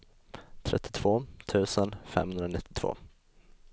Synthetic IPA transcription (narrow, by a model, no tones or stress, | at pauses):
t̪ʰɾɛ̰t̪ʰːɪt̪ʰv̥oːt̪ʰʉ̟ːsənfɛ̰mhɵnɾanɪt̪ʰːɪ̥t̪ʰv̥o̰ː